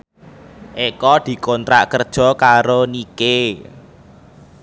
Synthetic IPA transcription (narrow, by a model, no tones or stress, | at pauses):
ʔekɔd̪̥i̤kont̪ɾa̰ʔkərd̥ʒ̥ɔ̤kaɾonike